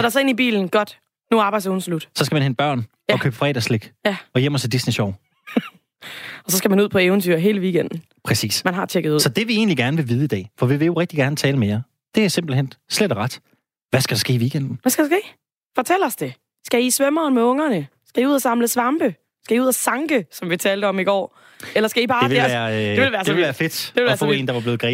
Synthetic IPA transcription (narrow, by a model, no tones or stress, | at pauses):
sɒɾ̥ɑ̈sɒe̝nib̥ḭːln̩ɡ̥ɒ̽d̥ | nuɑb̥ɑ̈ɪdson̩slud̥sɒ̽sɡ̥æmænenb̥ɶɐ̰n | ɒ̽kʰø̰ːb̥əfʁɛ̰ːdæsle̝ɡ̥jæɒ̽jem̰ɐt͡sʰed̥isniɕɒʊ̰ | ɒ̽sɒ̽sɡ̥æmænuð̞̰ˠpʰɒ̽eʊnt͡sʰy̰ɐɦe̝ːləʋiːɡ̥end̥n̩ | pʰʁɛsḭːsmænɦɑ̈t͡ɕʰeɡ̥ð̩ˠuðːsɒ̽d̥eʋie̝̰ːnliɡ̥æɐnəʋe̝ʋiːð̞ˠid̥ɛ̰ːfɒ̽ʋiʋe̝jo̝ʁɛɡ̥̚d̥iɡ̥æɐnət͡sʰɛːləmejɐ | d̥e̝æsemb̥l̩hen̰sledɒʁɑd̥ | ʋæsɡ̥æd̥ɑsɡ̥e̝̰ːʋiːɡ̥en̰d̥n̩ʋæsɡ̥æd̥ɑsɡ̥e̝̰ː | fɒ̽t͡sʰel̰ɐsd̥e̝ | sɡ̥æisʋœmɐːnmeɔ̽ŋɐnəsɡ̥æiuð̞̰ˠɐsɑ̈mləsʋɑ̈mb̥ə | sɡ̥æiuðˠæsɑ̈ŋɡ̥əsɒ̽mʋit͡sʰɛːld̥əɒ̽miɡ̥ɒ̰ː | elɐsɡ̥æib̥ɑ̈ːeæːɐ̥eʋe̝lʋæːɐslʋæːɐfe̝d̥deʋelɒæfɔ̰e̝ːnd̥ɑ̈ʋɑbˠle̝ːð̩ˠɡ̥ʁḭ